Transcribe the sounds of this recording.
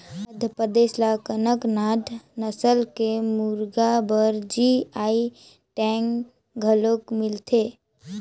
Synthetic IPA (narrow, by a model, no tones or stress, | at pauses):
əd̪ʱəpəd̪eːslakənəknaːd̪ʱnəsəlkemuɾɡabəɾd͡ʒiai | ʈɛ̃ŋ | ɡʱəlokmɪlt̪ʰe